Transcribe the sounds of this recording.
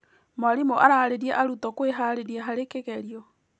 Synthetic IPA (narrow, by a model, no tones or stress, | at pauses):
maɾimoʔaɾaɾeɾiɛʔaɾutɔkweɦaɾeɾiɛɦaɾekeɣɛɾiɔ